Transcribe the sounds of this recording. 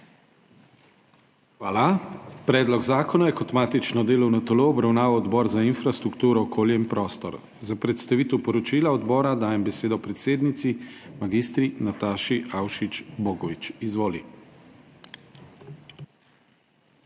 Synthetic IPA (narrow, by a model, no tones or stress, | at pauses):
xʋaːlapɾɛːd̪lɔɡzaːkɔnɔjɛkɔt̪maːt̪it͡ʃnɔd̪eːlɔwnɔt̪ɛloːɔbɾawnaːʋawɔd̪bɔːɾzainfɾast̪ɾukt̪uːɾɔːkoːljɛimpɾɔːst̪ɔ̰ɾ | zapɾɛt̪st̪aʋit̪ɛwpɔɾɔt͡ʃiːlaɔd̪bɔːɾad̪aːjɛmbɛseːd̪ɔpɾɛt̪seːd̪nit̪simaɡist̪ɾinat̪aːʃiʔawʃit͡ʃboːɡɔʋit͡ʃizʋoːlḭ